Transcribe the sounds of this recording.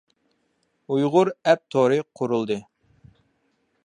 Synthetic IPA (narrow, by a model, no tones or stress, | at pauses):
ujʁʊɾɛp̚t̪ʰoɾɨqʰːʊɾulˠd̪ɨ